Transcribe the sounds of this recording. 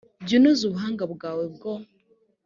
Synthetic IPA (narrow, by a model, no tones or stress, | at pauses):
ɟinuzuβuɦaːŋɡabɡaːweb̚ɡo